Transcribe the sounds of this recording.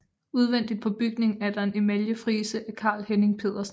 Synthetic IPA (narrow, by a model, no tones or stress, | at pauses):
uð̞ˠʋen̰d̥id̥̚pʰɒ̽b̥yɡ̥ne̝ŋæɐd̥ɑ̈e̝ne̝mæljəfʁiːsəʔækʰɑ̰̈ːlhene̝ŋpʰe̝̰ːð̞̰ˠɐsn